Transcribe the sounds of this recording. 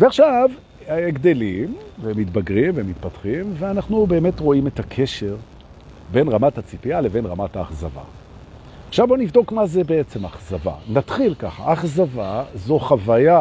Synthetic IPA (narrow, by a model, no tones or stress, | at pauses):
veaχʃav | eɡd̪e̞limvemit̪baɡʁimvemit̪patχimveanaχnube̞ːme̞tʁo̞ime̞takʰe̞ʃe̞ʁ | be̞nʁamatat͡sipiale̞ve̞nʁamataːχzava̰ | aχʃavbo̞nivd̪o̞kmazebeet͡se̞maχzava̰nat̪χilkaχa̰ʔaχzavazo̞χavaja